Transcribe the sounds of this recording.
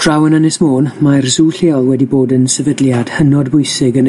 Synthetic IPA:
d̥r̥awənənɪsmoːnmarzuːɬeːɔlˠwɛdiboːdənsɛvədljad̥hənɔdbʊjsɪɡən

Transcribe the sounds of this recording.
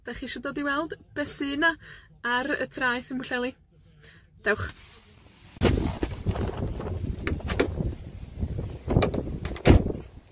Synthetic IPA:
d̥aχiʃɔdoːdiwɛlˠd̥b̥ɛsɨːna | aɾə̰tʰraɨθəmʊɬɛlˠi | d̥ɛwχ

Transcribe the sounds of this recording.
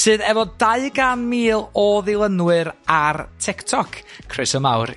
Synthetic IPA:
sɨːðɛvɔd̥aɨɡanmiːlˠɔðɪlˠənwɨɾartʰɪktʰɔkʰrɪsəmawr

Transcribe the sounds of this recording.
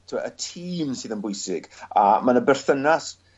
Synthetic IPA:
tʰɪmaətʰiːmsɨːðənbʊjsɪɡ̥a̰manəbɛrθənas

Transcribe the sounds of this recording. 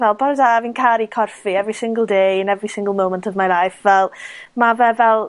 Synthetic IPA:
vɛlˠbɔɾədavinkʰaɾikʰɔrfiɛvrisɪ̃ŋɡəl̩ˠdejə̃nɛvrisɪ̃ŋɡəlˠmowməntʰɔvmalˠajfvɛlˠmavɛvɛlˠ

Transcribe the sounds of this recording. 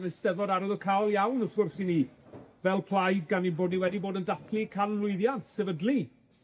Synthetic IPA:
nɨstɛvɔdaɾɔðəkʰalˠjawnəfɡ̥ʊrsiniːvɛlˠpʰl̥ˠajd̚ɡaninboːdniwɛdiboːdəndaθʰlˠikʰanlʊɨðjantʰsɛvədlˠi

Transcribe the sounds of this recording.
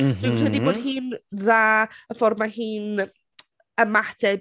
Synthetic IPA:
ɪmrədiboːd̥hiːnðaːəfɔrmahiːn | əmatʰɛ

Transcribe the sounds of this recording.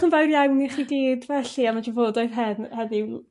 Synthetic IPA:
χənvawrjawniχidiːdvɛɬiamad͡ʒavoːdɔɨðɦɛdhɛði

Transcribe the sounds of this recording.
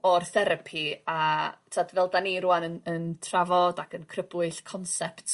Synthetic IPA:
ɔrθɛɾapʰiatʰadvɛlˠdaniɾuanənəntʰravɔdakʰənkʰrəbɨɬkʰɔnsɛptʰ

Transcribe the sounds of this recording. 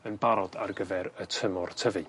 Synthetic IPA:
ənbaɾɔd̥a̰rɡəvɛɾətʰəmɔrtʰəvɨ

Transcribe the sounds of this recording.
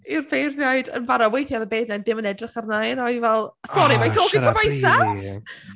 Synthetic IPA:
ɪrbejrnjaɨdə̰nvaɾɔwejθjaðəbejðnadɪmənɛdrɪχarnajnɔvɛlˠsɔɾimajtʰoːkittʰəbajsa

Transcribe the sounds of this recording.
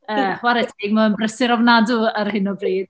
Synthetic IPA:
əχwaɾɛtʰeːɡ̚mɔənbrəsɪɾɔvnadʊərhɪnɔbriːd̥

